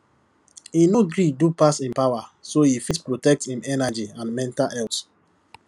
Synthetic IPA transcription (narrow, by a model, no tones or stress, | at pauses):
inoɡɹidupasĩnpaʊwasoifitpɹotɛk̚tĩmɛnad͡ʒiãnmɛ̃ntalɛls